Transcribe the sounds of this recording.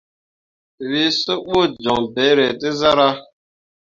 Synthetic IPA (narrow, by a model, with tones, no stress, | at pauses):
wi˦sə˦ɓo˦˨d͡ʒɔ˨ŋbɛ˨˦ɾɛ˨ti˦za˦ɾa˦